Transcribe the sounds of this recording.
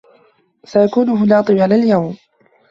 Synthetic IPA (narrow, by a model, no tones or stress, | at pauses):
sajakuːnʊɦʊlɑːt̪ˤɨbʕalaːljawm